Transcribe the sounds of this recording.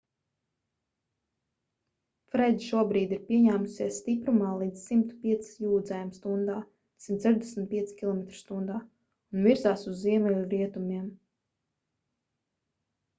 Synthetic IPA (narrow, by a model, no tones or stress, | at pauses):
fɾɛjd̪ʲʃuɔbɾiːd̪iɾpʲiɛɲæːmusiɛssːt̪ipɾumaːlˠiːd̪zsimt̪u̥piɛt̪ssjuːd̪zajamst̪und̪aː | simt̪sɛʒd̪ɛsmʲt̪̚piɛsʲkʲilˠɔmɛt̪ɾu̥st̪und̪aː | unviɾzaːsuzːiɛmɛlʲuɾiɛt̪umiɛm